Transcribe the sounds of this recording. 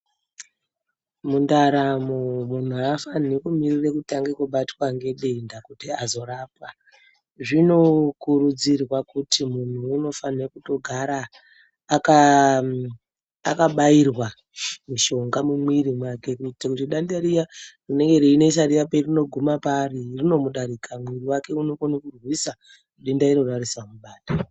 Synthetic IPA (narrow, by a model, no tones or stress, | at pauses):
mundaɾamomun̤uafanekumirirekutaŋɡekuɓatwaŋɡe̞ɗe̞ndakutiazo̞raːpa | ʐino̞kuɾud͡zirwakutʰimun̤uːno̞fanekuto̞ɡʱaɾaː | ka | a̰kaɓairwa | muʃo̞ŋɡamumwiɾimwake̞kutakutiɗandaɾijarine̞ŋɡe̞ɾeine̞is̬aɾijaperino̞ɡʱumaparirino̞muɗaɾikʰamwiriwake̞uno̞konikurwisa | kuɗendaiɾorariswamuɓaːta